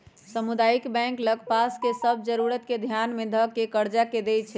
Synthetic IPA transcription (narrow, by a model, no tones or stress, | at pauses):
səmud̪ajikbɛ̃ŋkləɡpaskesəbʱd͡ʒəɾuɾət̪ked̪ʱjanmed̪ʱəkːekəɾd͡ʒaked̪ɛt͡ʃʰɛ